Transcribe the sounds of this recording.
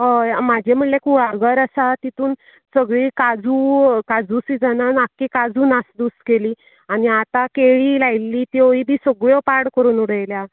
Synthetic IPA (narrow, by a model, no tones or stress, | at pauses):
ɦəjmad͡ʑʱem̤əʈlekuɭaɾɡəɾasat̪it̪uːn | səɡɭikad͡zukad͡zusid͡zənanakːekad͡zuːnasd̪uskeliː | aniat̪akeɭiːlajlːiːt̪ioibʱiːsəɡɭjɔpaɾɽkəɾuːnuɽəjlja